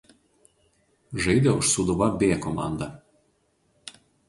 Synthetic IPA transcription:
ʒɐɪd̪ʲɛʊʃsud̪ʊʋɐbʲeːkɔmɑ̰ˑnd̪ɐ

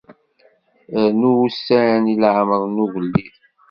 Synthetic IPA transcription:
nuwusːæɾənilʕməðˤnuʝəlːið

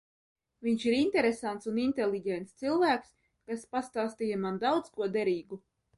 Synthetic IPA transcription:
viɲʃiɾint̪ɛɾesant̪sunint̪ɛlʲˠiɟɛnt̪st̪silˠvæːks | kaspast̪aːst̪iːjamand̪awt̪skuɔd̪ɛɾiːɡu

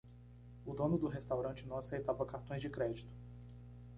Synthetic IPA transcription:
ʊd̪õnʊd̪ʊɦest̪awɾɐ̃t͡ʃɪnɐ̃w̃asejt̪avɐkaɾt̪õj̃zd͡ʒɪkɾɛd͡ʒit̪ʊ̥

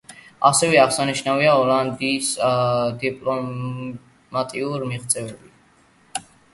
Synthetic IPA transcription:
asɛvɛaʁsaniʃnaviaɔland̪isd̪ipʼlɔ | mat̪ʼiuɾmiʁt̪sʼɛvɛbit

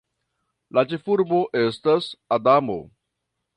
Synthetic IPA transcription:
lat͡ʃefuɾbo̞ʔe̞stasadamo̞̰

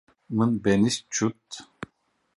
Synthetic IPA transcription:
mɨnbenist͡ʃʰut̪

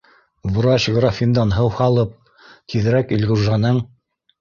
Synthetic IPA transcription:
vuɾɑɕɡɾafʲind̪ɑnɦɤwhɑlˠɤp̚ | t̪ʰið̆ɾækilʲɡuɾʒɑnɤɴ

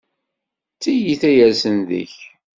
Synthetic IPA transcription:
t͡sːijiθæjæɾsənðə̰ç

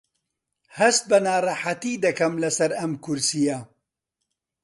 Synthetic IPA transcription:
hɐst̪̚bɐnaːrˤɑħat̪id̪ɐkɐmlɐsɐɾɐmkʰʊɾsijɐ

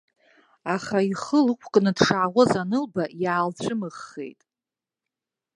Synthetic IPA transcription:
aχaiχəlɨkʷʰʼkʼnɨdʂaʕːʁʷazanɨlbajaːlt͡ɕʷʰɨmɨχːḛjtʼ

